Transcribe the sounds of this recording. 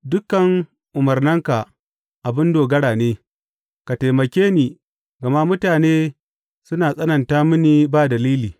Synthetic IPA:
dʊ˦kːɐ˨ŋ | ʔʊ˨mɐ˨rnɪ˦ŋka˨ | ʔa˨bɪ˦ndoː˨ɡɐ˦ɽaː˨neː˦ | ka˨ta˨mɐ˨kʲeː˦niː˨ | ɡɐ˨ma˦mʊ˦taː˨neː˦ | sʊ˦naː˨sʼɐ˦nɐ˨ntaː˦mʊ˦niː˦baː˦dɐ˨liː˦liː˨

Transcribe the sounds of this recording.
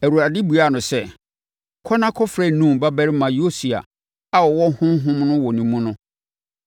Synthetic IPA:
æ˨ɾu˨a˨dɪ˦bu˨a˦˨nʊ̃˨sɛ˦ | kʰɔ˦nã˦kʰɔ˦fɾɛ˦˨nũ˦mba˦bɛ˦ɾɪ˦mã˨jo˦si˨a̰˨ | a˦wɔ˨wɔ˦hʊ̃˦m˦ɦʊ̃˦mnʊ̃˦wɔ˨nĩ˨mũ˦nʊ̃˦

